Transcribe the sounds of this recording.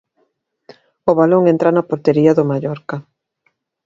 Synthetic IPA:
oβaloŋẽnt̪ɾanɐpoɾt̪eɾiɐðʊmaʎɔɾkɐ

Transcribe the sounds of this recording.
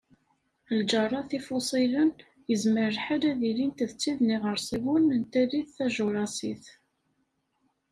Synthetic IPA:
ld͡ʒɑrˤːɑθifʊsˤilən | jəzməɾəlħad̪æðilint̪ðət͡sːiðniʁəɾsˤiwunənt̪æliθθæʒʊɾˤɑsiθ

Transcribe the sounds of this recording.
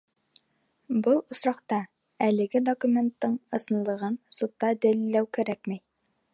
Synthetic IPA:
bɤlˠŏsɾɑqt̪ɑ | ælɘ̆ɡɘd̪okumʲe̞nt̪ːɤɴɤ̆sɤ̆nlˠɤ̆ʁɤnsut̪ːɑd̪ɘ̆lɘlːæwkæɾækmæj

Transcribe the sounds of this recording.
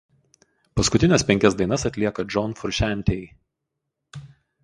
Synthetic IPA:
pɐskʊt̪ʲɪnʲɛsʲpʲɛŋʲkʲɛsd̪ɐɪnɐsɐt̪ʲlʲiɛkɐd͡ʒɔnfʊɾʲʃʲæˑnʲt̪ʲɛɪ

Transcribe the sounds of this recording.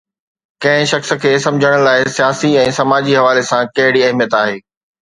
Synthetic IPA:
kɐ̃ɦɪ̃ʃɐxsə̆kʰeːsɐ̃md͡ʑʱəɽ̃ʊ̆laːɪsijaːsiɛ̃ːsɐmaːd͡ʑiɦɐʋaːlesãkɐɦɪɽiɐɦmijət̪aːɦeː

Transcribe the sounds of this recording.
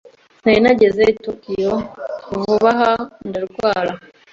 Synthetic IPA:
nainaɟe̞zeitukijokuvuβaɦandaɾɡwaːɾa

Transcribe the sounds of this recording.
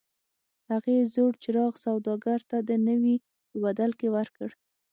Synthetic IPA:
haɣezoɽt͡ʃɪɾɑɣsawd̪ɑɡaɾt̪ad̪ənəwi | pəbad̪alkewaɾkəɽ

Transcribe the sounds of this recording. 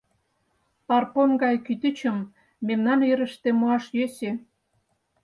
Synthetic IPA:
pɑrponɡɑjkyt̪ət͡ɕə̆mː | emnɑniɾə̆ʃt̪ĕmoɑʃjøse

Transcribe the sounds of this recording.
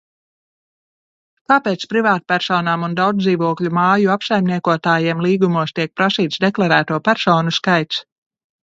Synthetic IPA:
kaːpɛːt̪spɾivaːt̪̚pʲæɾsɔːnaːmund̪awd̪d̪iːvuɔklʲumaːjuapsajmniɛkuɔt̪aːjɛɛmlˠiːɡumuɔst̪iɛk̚pɾasiːt̪sd̪eklˠaɾæːt̪uɔpʲæɾsɔːnuskajt̪s

